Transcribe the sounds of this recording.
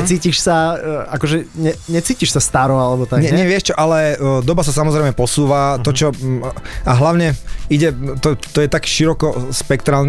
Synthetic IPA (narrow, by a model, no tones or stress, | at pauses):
ɛt͡siːciʃsaakɔʒɛɲɛɲɛt͡siːciʃsast̪aɾɔalɛbɔt̪aɲɛɲɛʋɪɛʃt͡ʃɔʔalɛd̪ɔbasasamɔzɾɛɪmɛpɔsuːʋat̪ɔt͡ʃɔ | aɦlaʊɲɛiɟɛt̪ɔt̪ɔjɛt̪akʃiɾɔkɔspɛkt̪ɾaːln